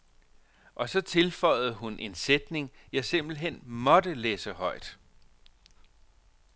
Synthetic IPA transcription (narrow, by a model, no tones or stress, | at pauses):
ʔɒ̽sɒ̽t͡sʰe̝lfɒ̽ɪ̰ð̞̩ˠɦunʔe̝nsed̥ne̝ŋjɑ̈ɪse̝m̰b̥l̩iɦen̰mɒ̽d̥əleːsəhɒ̽ɪ̰d̥